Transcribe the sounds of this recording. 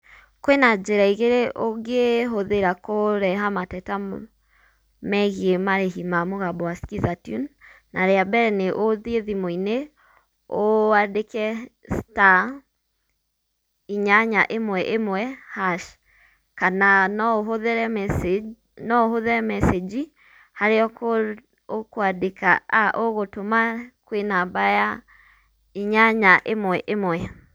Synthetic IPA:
kwenad͡ʒeɾaiɣeɾeʔoɡeɦoðeɾakoɾɛɦamatɛta | mɛɣiemaɾeɦimamoɣabɔwaskizatjṵn | naɾeabɛɾɛneʔoðieðimoine | oadekɛsta | iɲaɲaʔemwɛʔemwɛhaʃ | kananɔðɾɛ | nɔohoðɛɾɛmɛsed͡ʒi | haɾeɔko | okoadekaaʔoɣotomakwenabaja | iɲaɲaʔemwɛʔemwɛ

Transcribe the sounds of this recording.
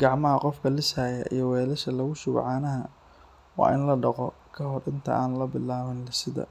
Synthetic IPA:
ɡ̥ɑʕmɐɦɐqɔfkʰɐlɪsaːjɐ̰ʔḭjɞwɛːlɐʃɐlɐɣʊʃʊβ̰ʕɑːnɐɦɐ | wɑ̰ːʔɪnlɐɖɑqɔ | kʰɐɦɔɾɪnt̪ʰɐ̰ʔaːnlɐbɪlaːβɐnlɐsɪðɐ̰

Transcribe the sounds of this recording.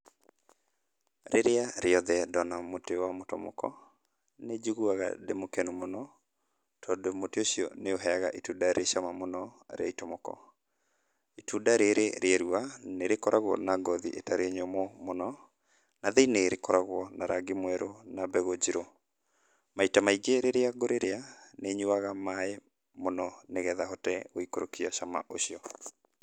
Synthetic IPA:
ɾeɾeaɾeɔðɛdɔnamotewamotɔmɔ̰kɔ̰ | ned͡ʒuɣuaɣa̰demokɛnumonɔ | tʰɔːdomoteoɕiɔ̰neoɦɛaɣa̰ʔitudaɾeʃamamonɔɾḛaitɔmɔkɔ̰ | itudaɾeɾeɾeaɾuaneɾekɔɾʔaɣwɔ̰naɡɔðiʔetaɾeɲɔmɔmonɔ | naðeineɾekɔɾaɣwɔnaɾaɡemwɛɾonabɛɣod͡ʑiɾo | maitamaiɡeɾeɾeaɡoɾeɾeaneɲuaɣamae | monɔneɣɛðaɦɔtɛoikoɾokiaʃama̰ʔoɕiɔ

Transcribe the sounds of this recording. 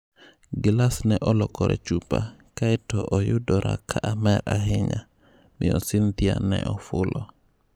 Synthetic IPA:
ɡilasnɛʔɔlɔkɔɾɛ̰t͡ʃupakajtɔʔɔjudɔɾakʰaʔamɛɾaɦiɲa | miɔsint̪ija̰nɛ̰ʔɔfulʔɔ

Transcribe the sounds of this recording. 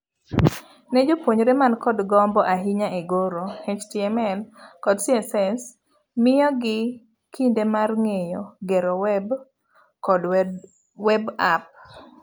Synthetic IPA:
nɛd͡ʒopwoɲoɾemankɔdɡɔmbɔʔaɦiɲaʔeɡoɾohet͡ʃtiɛmɛlkɔdsiɛsɛs | mɪjɔɡɪ | kʰindemarŋejoɡeɾɔwɛb | kɔd | wɛbap̚

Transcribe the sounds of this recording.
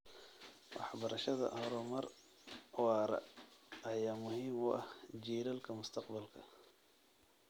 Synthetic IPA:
wʔɑ̰ħbɐɾɐʃɐðɐ̰hɔɾɔmɐɾ | wɑːɾɐ̰ɐjaːmʊhiːmṵʔɐhd͡ʒiːɾɐlkʰɐmʊst̪ʰɑqbɐlkʰɐ̰

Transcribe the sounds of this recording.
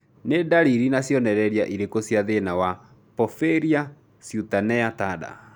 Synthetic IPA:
nedaɾiɾinasjɔnɛɾɛɾiaʔiɾekosjaðenawa | pɔfeɾia | sjutanɛatada̰

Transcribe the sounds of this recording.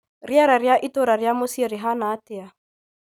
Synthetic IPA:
riaɾaɾiaʔitɔɾaɾiamosiɾiɦanaːtɪa

